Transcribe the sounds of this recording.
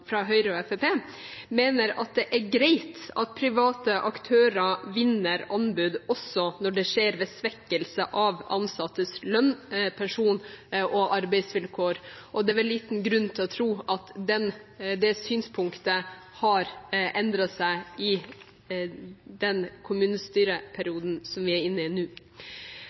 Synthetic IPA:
fɾɑɦœʏɾəɔɛfepeː | meːnəɾɑ̰t̪̚d̪ɛʔæɾɡɾæɪt̪ɑt̪̚pʰɾɪʋɑːt̪əʔɑkt̪ʰøːɾəʋɪnːəɾɑnbʉd̪ɔsːɔnɔɖɛʂeːɾʋeːsʋɛkːəlsəʔɑʋɑ̰nsɑt̪ːəslœnːpʰɛnʂuːnʔɔʔɑɾbɛɪsʋɪlkʰoːɾʔɔd̪ɛæʋɛlːiːt̪n̩ɡɾʉnːt̪ʰɪlɔt̪ʰɾuːʔɑt̪d̪ɛnd̪ɛsyːnspʰʊŋkt̪ə | hɑɾʔɛnd̪ɾɑsæɪɪ | d̪ɛnkʰʊmʉːnəst̪yːɾəpʰæɾɪuːd̪n̩sɔmʋɪæɾɪnːɪnʉː

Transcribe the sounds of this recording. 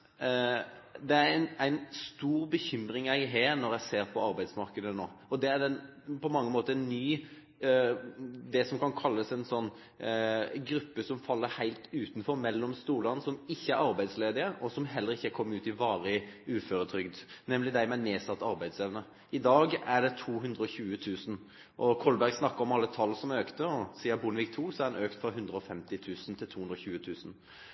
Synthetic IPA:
d̪ɛæɾæɪnæɪnst̪uːɾbəçʏmɾɪŋæɪɦeːɾnɔɾjæɪseːɾpʰɔɑɾbæɪd̪smɑɾkəd̪ənoːɔd̪ɛæd̪ɛnpʰɔmɑŋːəmoːt̪əɾɛnːyː | d̪ɛsɔmkɑnkʰɑlːəsæɪnsɔnː | ɡɾʉpːəsɔmfɑlːəɾhæɪlt̪ʉːt̪n̩fɔɾmɛlːɔmst̪uːɾlɑnsɔmɪçːəæɾɑɾbæɪd̪sleːd̪ɪəʔɔsɔmɦɛlːəɾɪçːəkʰɔmːʉːt̪ɪʋɑːɾəʉːføːɾət̪ʰɾʏɡd̪nɛmlɪd̪æɪmæneːsɑt̪ːɑɾbæɪd̪seʋənə | ɪd̪ɑːɡæɖɛt̪ʰuːɦʉnd̪ɾəɔçʉːət̪ʰʉːsn | ʔɔkʰɔlbæɾɡsnɑkːəɾɔmɑlːət̪ʰɑlːsɔmøːkt̪əɔsiːɑbʊnəʋiːk̚t̪ʰuːsɔæɾd̪ɛnøːkt̪fɾɑɦʉnd̪ɾəɔfɛmt̪ɪt̪ʰʉːsn̩t̪ʰɪlt̪ʰuːʉnd̪ɾɔçʉːət̪ʰʉːsn̩

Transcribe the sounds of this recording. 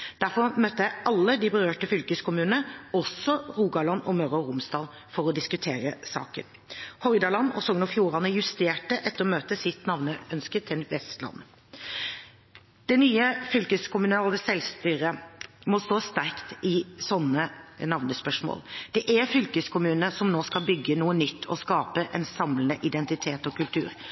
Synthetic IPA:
d̪̥æɾfɔɾmœt̪ːəjæɪɑlːəd̪ɪbəɾøːʈəfʏlkəskʊmʉːnnəɔsɔɾuːɡɑlɑnɔmœɾəɾʊmsd̪ɑːl | fɔɾɔd̪ɪskʉt̪ʰeːɾəsɑ̰ːkə̰n | hɔɪd̪ɑlɑnːɔ̰sɔŋnɔfjuːɾɑnəjʉst̪eːʈəʔɛt̪ːəɾɔmøːt̪əsɪt̪nɑʋnəʔœnskət̪ʰɪlʋɛst̪lɑ̰n | d̪̥ɛnyːəfʏlkəskʊmʉnɑːləsɛlst̪yːɾəmɔst̪oːst̪æɾkt̪ɪsɔnːənɑʋnəspœʂmo̰ːld̪̥ɛʔæfʏlkəskʰʊmʉːnəsɔmnoːskɑlbʏɡːənuːənʏt̪ʰːɔ̰skɑːpəʔɛnsɑmlənəʔɪd̪ɛnt̪ɪt̪ʰeːt̪ɔkʉlt̪ʰʉ̰ːɾ

